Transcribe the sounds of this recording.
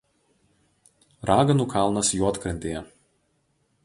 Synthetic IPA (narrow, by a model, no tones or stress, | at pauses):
ɾɑːɡɐnuˑkʰɑˑlˠnɐsjuɔt̪kɾʲɐnʲt̪ʲeːjɛ